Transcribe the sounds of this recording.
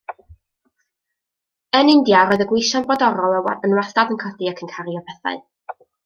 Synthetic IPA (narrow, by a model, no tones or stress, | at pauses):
ənɪndjaɾɔːɨðəɡwɪʃanbɔdɔɾɔlˠɛwa̰ənwastadənkʰɔdɨakʰənkʰaɾiɔpʰɛθa̰ɨ